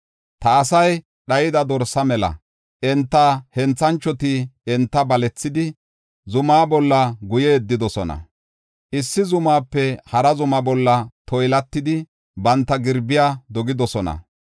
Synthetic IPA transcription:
t̪ɐːsɐj | ɗɐjɪd̪ɐd̪ɔɾsɐmɛlɐ̰ | ʔɛnt̪ːɐhɛnt͡sːɐnt͡ʃːɔt̪ɪɛnt̪ːɐbɐlɛt͡sːɪd̪ɪ | zʊmaːbɔlːɐɡʊjeːd̪ːɪd̪ɔsɔnɐ̰ | ʔɪsːɪzʊmaːpːɛhɐɾɐzʊmɐbɔlːɐt̪ɔjlɐt̪ːɪd̪ɪ | bɐnt̪ːɐɡɪɾbɪjaːd̪ɔɡɪd̪ɔsɔnɐ̰

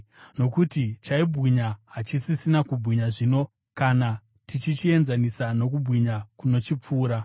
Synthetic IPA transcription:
no̞kutit͡ʃaibʱɣiɲaɦat͡ʃisisinakubʱwiɲaʐino̞ | kana | tit͡ʃit͡ʃie̞nzanisano̞k̬ubʱwiɲakuno̞t͡ʃip͡fuːɾa

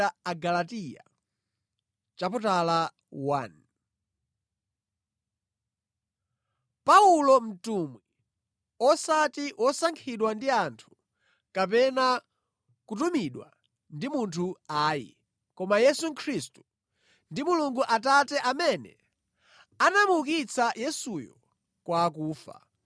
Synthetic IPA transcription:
aaɡalatija̰ | t͡ʃaputala | wan | paulɔm̩tumwi | ɔsatiwʔɔsaŋkʰiɗwandiantʰu̥ | kap̬ɛna | kutumiɗwa̰ | ndimuntʰuaːjḭ | kɔmajɛsukʰɾistu̥ | ndimuluŋɡuʔatatɛʔamɛnɛ̰ | anamukit͡sʰajɛsujɔ | kwak̬uːfa̰

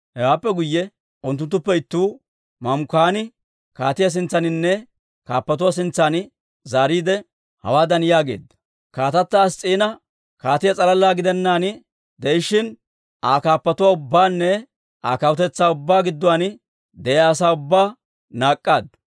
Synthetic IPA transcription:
hɛwaːpːɛɡʊjːɛ | ʊnt̪ːʊnt̪ːʊpːɛɪt̪ːuː | mɐmkaːnɪ | kaːt̪ɪjɐs̬ɪnt͡sːɐnɪnːɛ | kaːpːɐt̪ʊwas̬ɪnt͡sːaːn | zaːɾiːd̪ɛ | hɐ̰waːd̪ɐnɪjaːɡḛːd̪ːɐ̥ | kaːt̪ɐt̪ːaːst͡sʼiːnɐ | kaːt̪ɪjɐt͡sʼɐlɐlːaːɡɪd̪ɛnːaːnɪ | d̪ɛjɪʃːɪn | ʔaːkaːpːɐt̪ʊwaːʊbːaːnːɛ | ʔaːkɐwʊt̪ɛt͡sːaːʊbːaːɡɪd̪ːʊwaːnɪ | d̪ɛjaːs̬aːʊbːaː | naːkʼːaːd̪ɐ

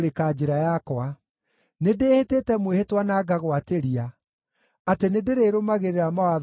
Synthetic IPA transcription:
ɾekaːd͡ʒeɾajakwa | nedehetetɛmwehetwanaɡaɣwateɾia | atenedeɾeːɾomaɣeɾeɾamawað

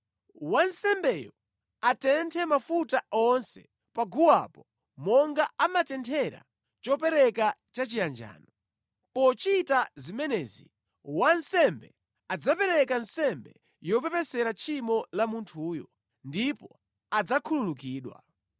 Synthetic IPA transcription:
wansɛmbɛjɔ | atɛntʰɛmafutaɔnsɛ̰ | paɡuwa̰pɔ | mɔŋɡaamatɛntʰɛɾa̰ | t͡ʃɔpɛɾɛkat͡ʃat͡ʃijand͡ʒa̰ːnɔ | pɔt͡ʃitazimɛnɛːzi | wansɛmbɛ | ad͡zapɛɾɛkansɛmbɛ | jɔpɛpɛsɛɾat͡ʃʰimɔlamuntʰuːjɔ | ndipɔ | ad͡zakʰululukiːɗwa̰

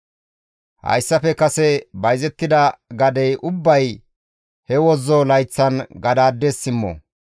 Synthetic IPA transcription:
hɐ̰jsːɐfɛkɐsɛbɐjzɛt̪ːɪd̪ɐɡɐd̪ɛjʔʊbːɐj | hɛwɔzɔlɐjt͡sːɐnɡɐd̪aːd̪ːeːsːɪmːɔ̰

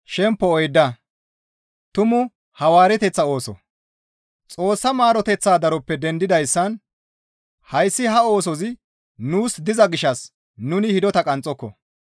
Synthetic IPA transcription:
ʃɛmpːɔɔjd̪ːɐ | t̪ʊmʊ | hɐwaːɾɛt̪ɛt͡sːɐo̞ːsɔ̰ | t͡sʼo̞ːsːɐmaːɾɔt̪ɛt͡sːaːd̪ɐɾɔpːɛd̪ɛnd̪ɪd̪ɐjsːɐn | hɐjsːɪhɐo̞ːsɔzɪ | nuːsd̪ɪzɐɡɪʃːɐs | nʊnɪhɪd̪ɔt̪ɐkʼɐnt͡sʼːɔkːɔ̰

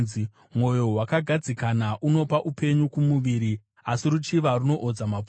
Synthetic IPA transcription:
i | mwo̞jo̞ɦwakaɡʱad͡zikanaʔuno̞paʔupʰe̞ɲukumuʋiɾi | asirut͡ʃiʋaruno̞ʔod͡zama

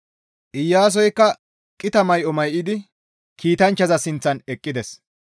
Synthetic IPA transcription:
ʔɪjːaːs̬ɔjkːɐ | kʼːɪt̪ɐmɐjʔɔmɐjʔɪd̪ɪ | kiːt̪ɐnt͡ʃːɐzɐsɪnt͡sːɐnɛkʼːɪd̪ɛs

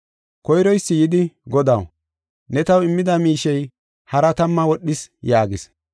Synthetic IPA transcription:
kɔjɾɔjsːɪjɪd̪ɪɡɔd̪ɐw | nɛt̪ɐwɪmːɪd̪ɐmiːʃɛj | hɐɾɐt̪ɐmːɐwɔɗːɪsjaːɡɪs

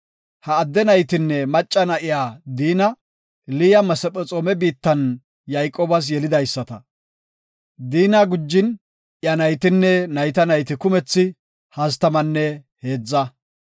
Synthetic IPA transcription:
hɐːd̪ːɛnɐjt̪ɪnːɛmɐt͡ʃʼːɐnɐʔɪjaːd̪iːnɐ | lɪjɐmɐsɛpʼɛt͡sʼoːmɛbiːt̪ːɐn | jɐjkʼoːbɐs̬jɛlɪd̪ɐjsːɐt̪ɐ | d̪iːnaɡʊd͡ʒːɪn | ʔjɐnɐjt̪ɪnːɛnɐjt̪ɐnɐjt̪ɪkʊmɛt͡sːɪ | hɐst̪ɐmɐnːɛ | he̞ːd͡zːɐ

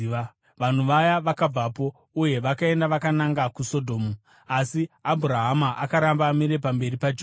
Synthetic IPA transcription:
ʋan̤uʋajaʋakab͡vapo̞ | uje̞ʋakae̞ndaʋakanaŋɡakuso̞dʱo̞ːmu | asiabʱuɾaɦamaʔakaɾambaːmiɾe̞p̬ambe̞ripad͡ʒo

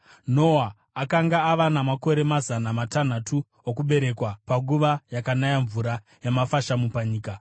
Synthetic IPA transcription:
no̞aː | kaŋɡaːʋanamako̞ɾe̞mazanamatan̤atʰu | okuɓe̞ɾe̞kwapaɡuʋajakanajaɱvuɾa | jemafaʃamupaɲiːka

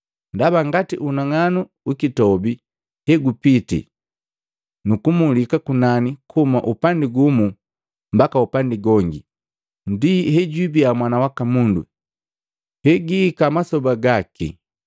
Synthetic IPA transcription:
ndabaŋɡatiʔunaŋanu | ukitɔbi | hɛɡupitḭ | nukumulikakunanikʰumaʔupandiɡumu | mbakaupandiɡɔŋɡi | ndihɛɟwibiamwanawakamundṵ | hɛɡikamasɔbaɡakʰḭ

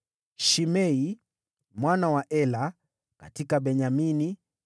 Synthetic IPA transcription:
ʃimɛi | mwanawaʔɛla | ka̰tikaɓɛɲamini

